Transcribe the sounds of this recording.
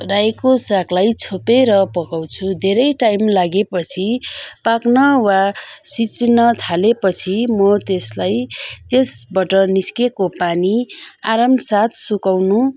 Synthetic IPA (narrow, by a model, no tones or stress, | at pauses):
rajkosaklajt͡sʰopeɾʌpʌkaw̃t͡sʰud̪ʱeɾʌjʈajmlaɡepʌt͡sʰipaknʌwasit͡snʌt̪ʰalepʌt͡sʰimʌt̪eslajt̪esbʌʈʌniskekopaniaɾamsat̪ʰsukawnu